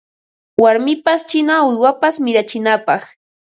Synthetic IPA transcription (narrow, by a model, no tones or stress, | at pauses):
waɾmɪpast͡ʃɪnaʊjwapasmɪɾat͡ʃɪnapɑχ